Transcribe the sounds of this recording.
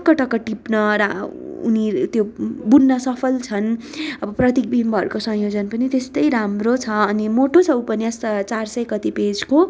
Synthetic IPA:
ʌkːʌʈʌkːʌʈipnʌɾaṵnit̪jobunːʌsʌpʰʌlt͡sʰʌn | ʌbʌprʌt̪ik̚bʱiimbʌːɾukosʌ̃ɦjod͡zʌnpʌnit̪est̪ʌjɾamrot͡sʰʌːnimoʈot͡sʰʌupʌnjast͡sarsʌjkʌt̪iped͡zko

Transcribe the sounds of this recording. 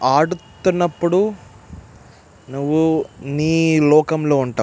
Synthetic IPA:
aːɽut̪unːɐpːuɽu | nuʋːuniːlɔːkɐmlo̞ːuɳʈa̰ː

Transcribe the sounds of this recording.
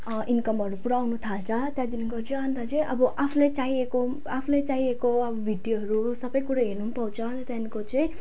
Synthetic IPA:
ʔinkʌmʌɾupuɾawnut̪ʰalt͡sʰʌt̪jãd̪inuŋkot͡sʌĩʌnd̪at͡sʌj̃ʔʌbʌʔapʰulet͡saieko | apʰulet͡saiekoʌbʌbʱiɖjoɦʌɾusʌbʌjkuɾaɦinumpʌwt͡sʰʌnt̪janikot͡sʌĩ

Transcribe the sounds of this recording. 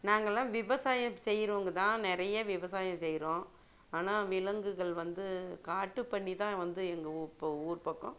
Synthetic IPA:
naːŋɡɐlːãːʋɪʋɐsaːjɐ̃sɛjːɾoːŋɡɐt̪ãːnɪɾɐjɐʋɪʋɐsaːjɐ̃sɛjɾõː | aːnaːʋɪlɐŋɡɯɣɐɭʋɐnd̪ɯkaːʈːɯpɐɳːit̪ãːʋɐnd̪ɯɛŋɡɐuːɾpɐuːɾpɐkːõ

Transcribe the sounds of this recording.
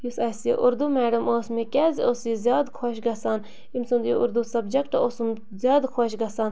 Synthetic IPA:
jusɐsijḛʔuɾd̪umæːɖɐmoːsmikʲɛːzioːsizʲjaːd̪kʰoʃɡɐsaːn | imsund̪jeʔuɾd̪usɐbd͡ʒɐkʈɐosum | zʲjaːd̪kʰoʃɡɐsaːn

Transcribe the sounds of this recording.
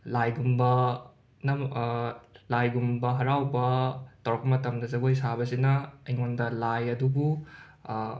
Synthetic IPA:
lajɡumbɐ | nɐ | lajɡumbɐɦɐɾawbɐtɐwɾɐk̚pɐmɐtɐmdɐzɐɡojsabɐsinɐːjŋondɐlajɐdubu

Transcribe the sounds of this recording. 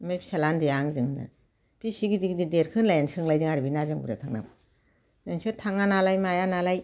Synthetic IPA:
majpselandijaŋzɯŋnɯ̰ | pisiɡidik̚dideɾkʰɯnlajansɯŋlajzɯŋaɾibinazɯŋbṵɾa̰tʰaŋna̰b | zaŋsɔtʰaŋanalajmajanalaj

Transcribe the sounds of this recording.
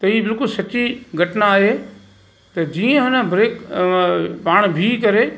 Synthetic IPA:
t̪ɐɦiːbɪlkʊlsɐt͡ɕiɡʱɐʈnaaːɦe | t̪ɐd͡ʑiːə̃ɦʊnə̆bɾeːk | paːɽ̃bʱikɐɾe

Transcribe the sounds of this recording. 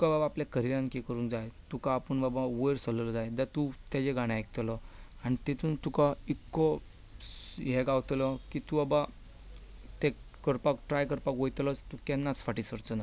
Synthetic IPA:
t̪ukababaːpljakəɾiɾãŋkekəɾuːnd͡zajt̪ukaːpəɳbabaʋəjɾsələlɔd͡zajd̪at̪ut̪jad͡ʑeɡaɽ̃ãajk̚t̪lɔaɽ̃it̪et̪ʰuːnt̪ukaikːɔ | ɦɛɡawt̪lɔkit̪ubaba | t̪e | kəɾpakʈɾajkəɾpakʋɔjt̪lət͡st̪ukɛnːat͡sfaʈisəɾt͡səna

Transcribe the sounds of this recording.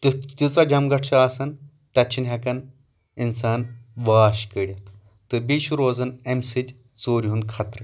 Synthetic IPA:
t̪ɨt̪ʲut͡sad͡ʑɐmɡɐʈʰsɐaːsɐn | t̪att͡ʃʰinɦɐkɐn | insaːnʋaːɕkəɽʲɐt̪ | t̪ɨbiʃuɾoːd͡zɐnemsitʲ | t͡soːɾʲunkʰat̪ɾɨ

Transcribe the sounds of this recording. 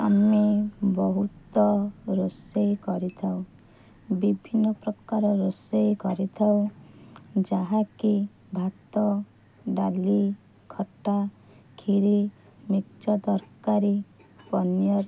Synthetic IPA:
a̰mebɔɦut̪ɔɾosejkɔɾit̪ʰaw̃ | bibʱinːɔpɾɔkaɾɔɾosejkɔɾit̪ʰaw̃ | d͡ʒaɦaki | bʱat̪ɔ | ɖali | kʰɔʈa | kʰiɾi | mikt͡ʃɔd̪ɔɾkaɾi | pɔnjɔɾ

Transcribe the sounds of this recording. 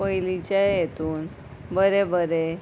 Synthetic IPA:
pəilit͡ɕajet̪uːn | bəɾebəɾe

